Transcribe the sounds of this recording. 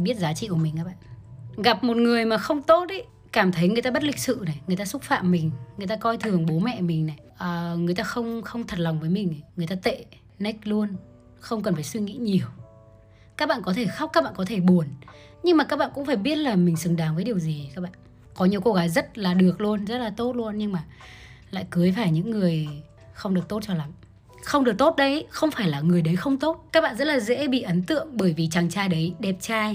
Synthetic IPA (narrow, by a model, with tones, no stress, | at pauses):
ɓi˦˥ət̚zaː˨˦t͡ɕḭ˧˨ku˧˩mi˨˩ŋ̟kaː˦˥ɓa̰ː˧˨nɣa˨˩p̚mo˨˩t̚ŋɨ˨˩əjmaː˨˩xə˧wŋ͡mt̪o˦˥t̚ʔə˨˦ | kaː˧˩mt̪ʰə˨˦jŋɨ˨˩əjt̪aː˧ɓə˦˥t̚lï˨˩k̟̚sɨ̰˧˨na˨˩jŋɨ˨˩jt̪aː˧sʊ˦˥t̚fa̰ː˧˨mːï˨˩ŋ̟ŋɨ˨˩əjt̪aː˧kɔ˧jt̪ʰɨ˨˩əŋɓo˨˦mɛ̰˧˨mï˨˩ŋ̟na˨˩jʔəː˨˩ŋɨ˨˩əjt̪aː˧xə˧wŋ͡mxə˧wŋ͡mt̪ʰə˨˩t̚la˨˩wŋ͡mvəː˨˦jmï˨˩ŋ̟a˨˩ŋɨ˨˩əjt̪aː˧t̪ḛ˧˨ | nə˦˥k̟̚lu˧ən | xə˧wŋ͡mkə˨˩nfaː˧˩jswi˧ŋḭ˧˥ɲi˨˩əw | kaː˦˥k̚ɓa̰ː˧˨nkɔ˨˦t̪ʰe˧˩xa˦˥w̚aː˦˥k̚ɓa̰ː˧˨kɔ˨˦t̪ʰe˧˩ɓu˨˩ən | ɲɨ˧ŋmaː˨˩kaː˦˥k̚ɓa̰ː˧˨nkʊ̰˧˥ŋ͡mfaː˧˩jɓi˦˥ət̚laː˨˩mï˨˩ŋ̟sɨ˨˩ŋɗaː˨˦ŋvəː˨˦ɗi˨˩əwzi˨˩kaː˦˥k̚ɓa̰ː˧˨n | kɔ˨˦ɲi˨˩əwko˧ɣaː˨˦jzə˦˥t̚laː˨˩ɗɨ˨˩ək̚lu˧ənzə˦˥t̚laː˨˩t̪o˦˥t̚lu˧ənɲɨ˧ŋmaː˨˩ | la̰ː˧˨jkɨ˨˦jfaː˧˩jɲɨ̰˧˥ŋːɨ˨˩əj | xə˧wŋ͡mɗɨ˨˩ək̚t̪o˦˥t̚t͡ɕɔ˧la˨˦m | xə˧wɗək̚t̪o˦˥t̚ɗə˨˦jxə˧wŋ͡mfaː˧˩jlaː˨˩ŋɨ˨˩əjɗə˨˦jxə˧wŋ͡mt̪o˦˥t̚kaː˦˥k̚ɓa̰ː˧˨zə˦˥t̚laː˨˩zɛ̰˧˥ɓḭ˧˨ʔə˨˦nt̪ɨ̰˧˨əŋɓəː˧˩jvi˨˩t͡ɕa˨˩ŋt͡ɕaː˧jɗə˨˦jɗɛ˨˩p̚t͡ɕaː˧j